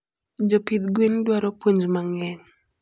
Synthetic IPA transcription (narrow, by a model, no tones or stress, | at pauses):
d͡ʒopid̪ɡwindwaɾɔpwoɲd͡ʒmaŋɛɲ